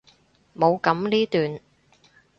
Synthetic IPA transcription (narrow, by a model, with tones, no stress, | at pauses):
mo˨˧wkɐ˨˥mliː˥t̪yː˨n